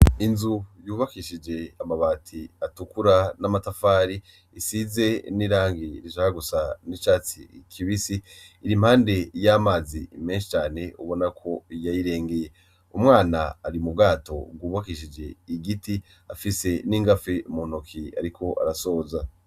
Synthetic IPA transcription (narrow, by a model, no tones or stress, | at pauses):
inzujuːβakiʃid͡ʒe̞amaβaːtʰiatukuɾanamatafaːɾi | isize̞niɾaːŋɡiɾizahaɡusanit͡ʃaːt͡sḭkʰiβisiː | ɾimhaːnde̞jamazime̞ːnʃi̥t͡ʃaːne̞uβo̞nakʰo̞jajiɾe̞ːŋɡeje̞ | umŋaːnaːɾimub̚ɡaːto̞̰ɡwuːβakiʃid͡ʒe̞iɡiti | afise̞niːŋɡafemonokʰia̰ɾikʰo̞ʔa̰ɾaso̞ːza